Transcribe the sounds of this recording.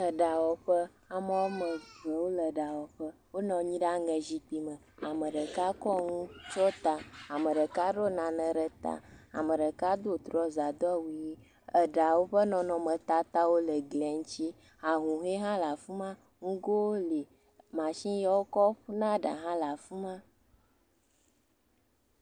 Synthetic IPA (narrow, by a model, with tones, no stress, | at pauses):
ə˨ɖa˨wɔ˨ɸə˦ | a˨mɛ̃˦wo˦mə̃˨zə˨wo˦lə˨ɖa˨wɔ˨ɸə˦ | wo˦nɔ̃˨ɲĩ˦ɖa˦ŋə˨zi˨k͡pi˨mə̃˨ | a˨mə̃˨ɖə˨ka˦kɔ˦ŋũ˦t͡ʃɔ˦t̪a˨a˨mə˨ɖə˨ka˦ɖo˦nã˨nə̃˨ɖə˨t̪a̰˨a̰˨mə˨ɖə˨ka˦d̪o˦t̪ɾɔ˦za˨d̪ɔ˦wu˦ji˦ | ə˨ɖa˨wo˦ɸə˦nɔ̃˨nɔ̃˨mə̃˨t̪a˦t̪a˦wo˦lə˨ɡlɛ˨ŋ˦t͡ɕi˦ | a˨ɦũ˨ɦe˦ɦã˦la˨fu˦mã˦ | ŋũ˦ɡo˦wo˦li˨ | mã˨ʃĩ˦ja˦wo˦kɔ˦ɸu˦nã˦ɖa̰˨ɦã˦la˨fu˦mã˦